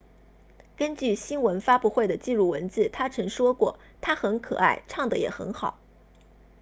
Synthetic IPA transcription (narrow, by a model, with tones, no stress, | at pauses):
kə˥nt͡ɕy˥˩ɕi˥nwə˧˥nfa˥pu˥˧xwe˥˩ɪd̪ə˩t͡ɕi˥˧ɻu˥˩wə˧˥nt͡sɹ̩˥˩t̪ʰa˥ʈ͡ʂʰɤ˧˥ŋʂwɔ˥kwɔ˥˩ | t̪ʰa˥xə˧˥nkʰɤ̰˨˩a̰˥˩ɪʈ͡ʂʰɑ˥˩ŋd̪ə˩˨jɛ̰˨˩xə̰˧˥nxɑ˨˩˦ʊ